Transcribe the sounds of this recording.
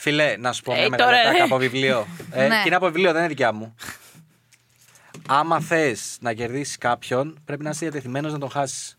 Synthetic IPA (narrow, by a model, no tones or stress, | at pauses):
filenɐsu̥pomeɣoɾeɐɐpo̞vivlioeineɐpo̞vivlio̞ðenineðicɐmu | ɐmɐθe̞znɐce̞ɾðisi̥skɐpço̞npɾe̞pinɐsðiɐt̪eθime̞no̞znɐt̪o̞xɐsi̥s